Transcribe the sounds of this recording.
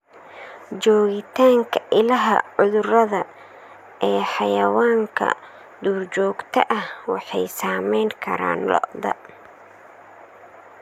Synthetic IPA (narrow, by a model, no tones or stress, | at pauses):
t͡ʃɔːɣɪt̪ʰaːŋkʰɐʔɪlɐɦɐ̰ʕʊðʊrɐðɐ | ɛːħɑjɐwaːŋkʰɐ̰ | d̪uːrt͡ʃɔːɡt̪ʰɐ̰ʔɐhwɑ̰ħɑjsaːmɛjŋkʰɐ̰ɾa̰ːnlɔ̰ʔd̪ɐ̰